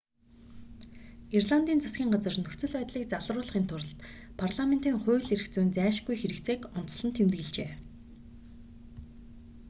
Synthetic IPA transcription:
irɮant̪iːnt͡sʰasɡʲiːŋɢat͡sə̆rnɵt͡sɵ̆ɮœːt̪ɮiːk̚t͡saɮrʊːɮχiːnt̪ʰʊɾə̆ɬt̪ | pʰarɮament̪iːŋχʊːɮeɾɘ̆xt͡suːnt͡sæːʃ̆ɡujxeɾɘ̆kt͡seːkʊn̥t͡s̪ɮə̆nt̪ʰːemt̪ɡɘ̆ɮt͡ɕeː

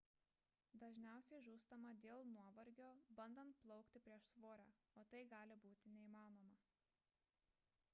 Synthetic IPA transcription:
d̪ɐʒʲnʲæˑʊsʲɛɪʒuːst̪ɐmɐd̪ʲeːlˠnuɔʋɐɾʲɡʲoːbɐnd̪ɐnt̪̚plˠɒʊkt̪ʲɪpʲɾʲiɛʃsʋoːɾʲæː | oːt̪ɐɪɡɑːlʲɪbuːt̪ʲɪnʲɛiːmɑːnoːmɐ

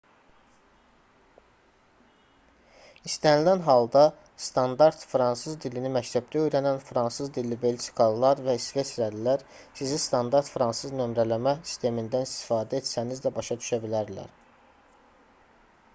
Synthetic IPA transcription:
ist̪ænilænɦɑlˠd̪ɑ | st̪ɑnd̪ɑɾt̪fɾɑnsɯzd̪ilinimæct̪ʰæb̚d̪æø̞jɾænænfɾɑnsɯzd̪ilːibe̞lʃi̥kʰɑlˠːɑɾvæsve̞sɾæd̪ilæɾ | sizist̪ɑnd̪ɑɾt̪fɾɑnsɯznø̞mɾælæmæsi̥st̪ʰe̞mind̪ænist̪i̥fɑːd̪æe̞t̪sænizd̪æbɑʃɑd̪yʃæbilæɾlæ̰ɾ

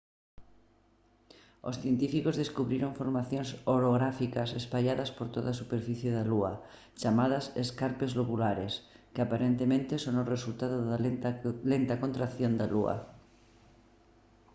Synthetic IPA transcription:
o̰sθjent̪ifikozðeskuβɾiɾoŋfoɾmaθjoŋsoɾoɣɾafikɐsespaʎaðɐspoɾt̪oðasupeɾfiθjeðaluɐ | t͡ʃamað̞ɐsḛskaɾpezloβulaɾeskeapaɾent̪emẽnt̪esonoresult̪aðoðalent̪akont̪ɾakθjond̪alṵɐ̰

